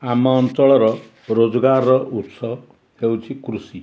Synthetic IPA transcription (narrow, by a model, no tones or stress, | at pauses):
amɔːntɔɭɔɾɔ | ɾod͡ʒɔɡaɾɔʔut̪sɔ | hewt͡ʃʰikɾusi